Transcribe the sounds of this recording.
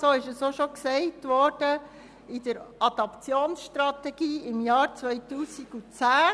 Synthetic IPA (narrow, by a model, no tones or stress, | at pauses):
soːɪʃəsoʃoksɛɪtʋɔːɾd̥ə | ɪd̥əɾɑd̪ɑpt͡sjoːnsʃtɾɑt̪ɛɡiːɪmjɑːɾt͡sʋœʏtuːsiɡut͡sæː